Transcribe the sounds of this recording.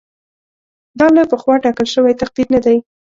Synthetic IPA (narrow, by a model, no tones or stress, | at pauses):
d̪ɑlojpəxwɑʈɑkəlʃəwajt̪aq̚d̪id̪nad̪aj